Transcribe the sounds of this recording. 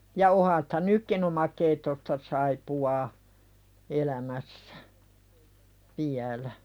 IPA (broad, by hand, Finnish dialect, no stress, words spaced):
jɑ ohɑ sĭ̥tæ nykːin omɑkeitːostɑ sɑipuɑː elæmæsːæ ʋiælæ